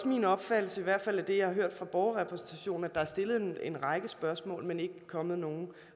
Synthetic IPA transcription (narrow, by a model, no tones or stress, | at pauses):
sminɒ̽b̥fæd̥l̩səiʋæɐ̰̥fæl̰æɐd̥e̝jɑ̈hɑ̈ɦøɐ̰d̥fʁɑ̈b̥ɒʊɐʁɛpʰʁɛsn̩t͡sʰæɕo̝̰ːn̩æd̥ɑ̈æɐsd̥e̝lð̞̩ˠene̝nʁɑ̈ɪɡ̥əsb̥ɶɐsmɔ̰̽ːlmene̝ɡ̥əkʰɒ̽mð̞̩ˠno̝ːn̩